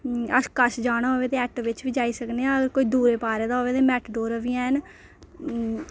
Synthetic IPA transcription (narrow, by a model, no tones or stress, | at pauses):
əskəʃd͡ʒaːɽ̃aːɦoːʋeːt̪eːɛʈʋɪt͡ʃʋiːd͡ʒaːiːsəkneãːəɡəɾkoːiːd̪uːɾeːpaːɾeːd̪aːɦoːʋeːt̪eːmɛːʈɖoːɾaʋiːãːn